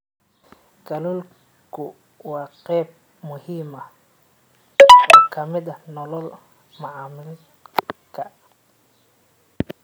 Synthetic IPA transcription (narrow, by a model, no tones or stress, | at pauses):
ɡ̥ɐlul | kʰʊ | wɑːqɛːb̚ | mʊhiːmɐ | ɔːkʰɐmɪd̪ɐnɔlɔl | mɐʕɑːmɪl | kʰɐ